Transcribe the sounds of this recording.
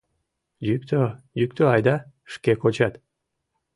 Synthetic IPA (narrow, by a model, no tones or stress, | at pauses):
jykt̪ʰø | jyk̚t̪øɑjd̪ɑ | ʃkekot͡ɕɑt̪